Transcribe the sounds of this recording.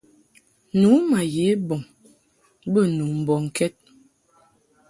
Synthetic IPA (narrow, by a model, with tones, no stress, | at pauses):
nu˨˦ma˨je˨˦bɔ˨ŋ | bə˦nu˨m̩˨bɔ˨ŋ̩˨kɛ˦t̚